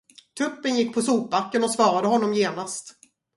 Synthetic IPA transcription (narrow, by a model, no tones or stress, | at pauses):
t̪ʰɵpːənjɪkːpʰɔsuːp̚bakːənɔsvɑːɾad̪əɦɔnːɔmjeːnast̪